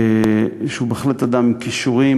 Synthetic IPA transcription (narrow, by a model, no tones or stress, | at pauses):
ʃeubeːxlet̪ad̪amkiʃuʁi